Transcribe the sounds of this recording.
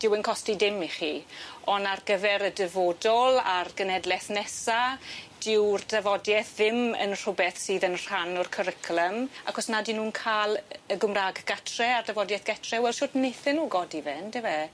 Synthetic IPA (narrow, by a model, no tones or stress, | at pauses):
d̥ɪwənkʰɔstidɪmiχiɔnarɡəvɛɾədɛvoːdɔlˠarɡənɛdlɛθnɛsad̥ɪwrdɛvɔdjɛθðɪmə̰nr̥ʊbɛθsiːðənr̥anʊrkʰəɾɪkʰlˠəmakɔsnadinuːnkʰaːlˠəɡʊmraːɡɡ̥atʰrɛardavɔdjɛθɡ̥atʰrɛwɛlʃʊːdnejθɛnːuːɡɔdivɛndɪvɛ